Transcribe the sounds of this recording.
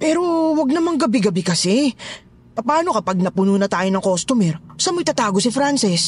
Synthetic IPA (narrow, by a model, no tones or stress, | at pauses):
pɛːɾo̞wɐɡ̚nɐmɐŋɡɐbɪɡɐbɪkɐsɛ | pɐpaːno̞kɐpaɡ̚nɐpʊnuːnɐt̪aːjonɐŋkost̪ʊmɛɾsɐmɐjt̪ɐt̪aːɡo̞sɪfɾansɪs